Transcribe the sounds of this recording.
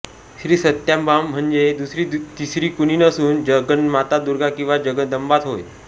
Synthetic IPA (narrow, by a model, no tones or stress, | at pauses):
ɕɾiːsət̪jambam̤ːəɳd͡zed̪usɾit̪isɾiːkuniːnəsuːnd͡ʑəɡənmat̪ad̪uɾɡakĩw̃ʋad͡ʑəɡəd̪əmbat̪ɦoj